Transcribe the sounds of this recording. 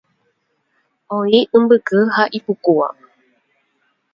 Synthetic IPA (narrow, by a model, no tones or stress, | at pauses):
õiʔɨ̃mbɨkɨhaʔipukua̰